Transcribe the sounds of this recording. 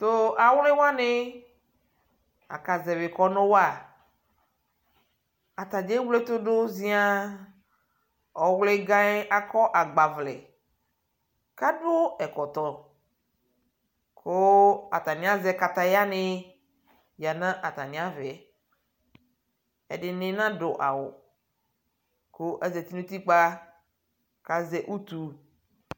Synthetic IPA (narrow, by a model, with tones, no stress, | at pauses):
t̪o˦a˨wle˦wa˦ne˦ | a̰˨ka˨zɛ˨ve˨kɔ˦nõ˦wa˨ | a˨t̪a˨d͡ʒe˦wle˦t̪o˦ɖo˦zĩ˦a˦ | ɔ˨wle˦ɡã˦e˦ʔa˨kɔ˦ʔa˨ɡ͡ba˨vlɛ̰˨ | ka˦ɖo˦ɛ˨kɔ˨t̪ɔ˨ | kʰʊ˦a̰˨t̪a˨nɪ̃˨˦a˦zɛ˦ka˨t̪a˨ja˦nɪ˦ | ja˨nã˦ʔa˨t̪a˨nɪ̃˨˦a˦vɛ˨ | ɛ̰˨dɪ˨nɪ̃˦nã˦dʊ˨ʔa̰˨wʊ̰˨ | kʰʊ˦ʔɛ˦zɛ˨t̪i˦nũ˦t̪i˦k͡pa˦ | ka˨zɛ˨ʔu˦t̪u˨